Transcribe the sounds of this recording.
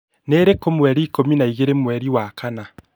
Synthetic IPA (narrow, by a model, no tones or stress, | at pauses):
neːɾekomwɛɾiːkominaiɣeɾemwɛɾiwakʰana